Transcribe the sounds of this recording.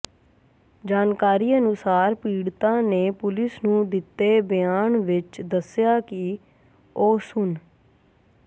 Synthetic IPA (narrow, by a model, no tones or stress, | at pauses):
d͡ʒaːnkaːɾiːənʊsaːɾpiːɽt̪ãːneːpʊlɪsnũːd̪ɪt̪ːeːbɪjaːɳʋɪt͡ʃd̪əsɪjaːkɪ | oːsʊn